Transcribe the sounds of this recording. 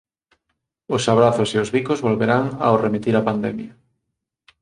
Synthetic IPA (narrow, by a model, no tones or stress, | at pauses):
osaβɾaθʊseozβikozβolβeɾaŋa̰oremit̪iɾapand̪ɛmja